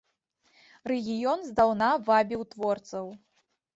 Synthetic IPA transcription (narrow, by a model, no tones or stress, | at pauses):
rɛɣʲijɔnzd̪awnavabʲiwt̪vɔrt̪sɐw